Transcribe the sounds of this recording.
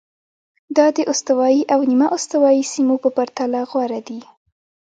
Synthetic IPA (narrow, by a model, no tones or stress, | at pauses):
d̪ɑd̪əʔost̪awɑjiʔawnimaʔost̪awɑjisimopəpaɾt̪alaɣwaɾad̪i